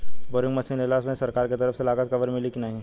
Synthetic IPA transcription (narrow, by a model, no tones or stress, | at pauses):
bɔːɾɪ̃ŋɡmɐsɪ̃ŋelaːsmẽsɐɾkaːɾket̪ɐɾəfselaːɡət̪kɐʋəɾmɪlikinɐɦĩː